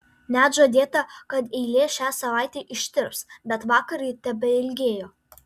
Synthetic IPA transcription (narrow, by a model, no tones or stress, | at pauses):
nʲæːt̪ʒoːd̪ʲeːt̪ɐkɐt̪ɛɪlʲeːʃʲæːsɐʋɑˑɪt̪ʲeːʔɪʃʲt̪ʲɪɾpsbʲɛt̪ʋɑːkɐɾɐɪt̪ʲɛbʲɛɪlʲɡʲeːjoː